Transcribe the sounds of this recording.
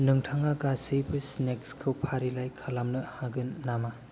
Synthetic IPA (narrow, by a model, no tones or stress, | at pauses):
nɯŋtʰaŋaɡasɯjbɯsnekskʰɯwpʰaɾilajkʰalamnɯhaɡɯnːama